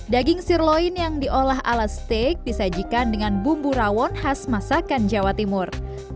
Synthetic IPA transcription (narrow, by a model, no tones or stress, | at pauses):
daɡɪŋsirloinjaŋdiʔolaɦa̰last̪ek̚disad͡ʒikandəŋanbumbuɾawɔnhasmasakand͡ʒawat̪imʊr